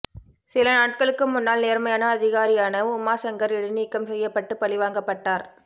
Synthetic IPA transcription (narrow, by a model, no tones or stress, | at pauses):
sɪlɐnaːʈ̚kɐɭɯkːɯmʊnːaːlneːɾmɐjaːnɐːðɪɣaːɾɪjaːnɐʊmaːsɐŋɡɐɾɪɽɯniːkːɐmsɛjːɐpːɐʈːɯpɐɭɪʋaːŋɡɐpːɐʈːaːɾ